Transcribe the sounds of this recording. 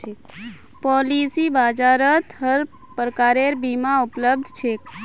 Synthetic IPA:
pɔːliːsibaːd͡ʒaːɾət̪ɦəɾ | pɾəkaːɾeɾbiːmaʊpləb̚d̪ʱt͡ʃʰeː

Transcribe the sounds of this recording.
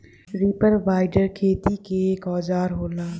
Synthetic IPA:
ɾiːpəɾʋaːɪɖəɾkʰeːt̪ikeːkɔːd͡ʒaːɾɦoːlaː

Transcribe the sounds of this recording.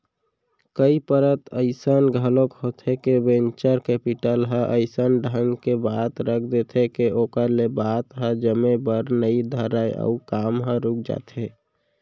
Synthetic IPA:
kəipəɾət̪əɪsənɡʱəlokɦot̪ʰekebẽnt͡ʃəɾkepiʈəlɦə̃ʔəɪsənɖʱəŋɡkebat̪ɾəkʰd̪et̪ʰekeʔokəɾlebat̪ɦəd͡ʒəmebəɾnəid̪ʱəɾajə̰ukaːmɦə̃ɾuk̚ʰd͡ʒa̰ːt̪e

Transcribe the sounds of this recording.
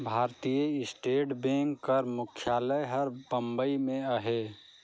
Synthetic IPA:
bʱaːɾt̪ijəɪsʈeːʈbẽːŋkːəɾmʊkʰjaːləɦəɾpə̃mbəimẽəɦeː

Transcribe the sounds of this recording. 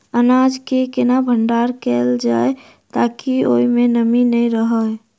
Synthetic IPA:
ənad͡ʒkekenabʱəɳɖaɾkeld͡ʒae | t̪akio̰imenəminəjɾəɦə

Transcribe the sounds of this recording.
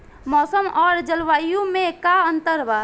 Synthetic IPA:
mɔsəmɔɾd͡ʒəlʋajumekaənt̪əɾba

